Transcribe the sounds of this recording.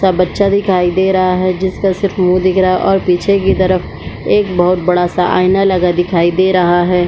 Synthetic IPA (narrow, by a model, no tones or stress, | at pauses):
sabɐtːʃad̪ɪkʰaːid̪eːɾɐɦaɦɛd͡ʒɪskasɪɾfmũːd̪ɪkʰɾaʔɔːɾpiːt͡ʃʰekit̪ɐɾəf | eːkbɐɦʊt̪̚bɐɽasaʔa̰ːɪnalɐɡad̪ɪkʰaːid̪eːɾɐɦaɦɛː